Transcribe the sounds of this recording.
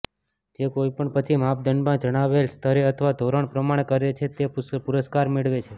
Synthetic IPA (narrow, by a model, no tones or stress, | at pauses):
d͡ʒekoipəɳpət͡ʃʰimap̚d̪ʱənbãd͡ʒəɽ̃aʋelst̪ʰəɾeət̪ʰəʋad̪ʱoɾəɳ̃pɾəmaɽ̃ekəɾet͡ʃʰet̪epuɾəskaɾmeɭʋet͡ʃʰe